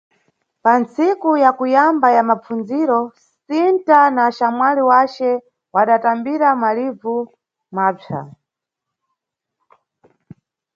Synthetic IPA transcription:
pant͡sikujakujambajamap͡fund͡ziɾɔssintanaʃamwaliwat͡ʃɛ | waɗatambiɾamalivu | maːpʰa̰

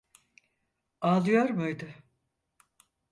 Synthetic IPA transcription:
aːlˠɯjoɾmɯjd̪ɯ

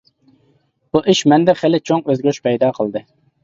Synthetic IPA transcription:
b̥uʔiʃmɛnd̪ɛχelɪt͡ʃʰoŋøzɡʲøʃpʰɛjd̪ɑːqʰəlˠd̪ɨ

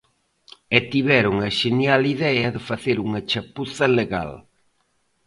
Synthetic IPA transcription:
ɛt̪iβɛɾʊŋɐʃenjaliðɛɐðɪfaθeɾuŋɐt͡ʃapuθɐleɣa̰l

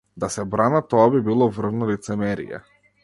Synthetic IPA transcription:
d̪asɛbɾanat̪ɔabibilˠɔvr̩vnɔlit̪sɛmɛɾḭjɛ̰

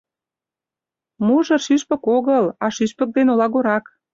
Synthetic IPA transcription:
muʒɤ̆ʃyʃpə̆koɣəlɑʃyʃpə̆k̚d̪enolɑɣoɾɑk

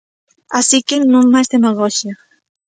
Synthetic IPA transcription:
asikenõŋmajzd̪emaɣɔʃia

